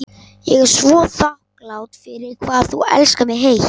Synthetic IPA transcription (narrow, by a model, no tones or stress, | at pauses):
jɛɣɛɾ̥svɔːθahklawt̪fɪɾɪɾ̥kʰvaːðθṵɛ̰lskamɛɣɦeːj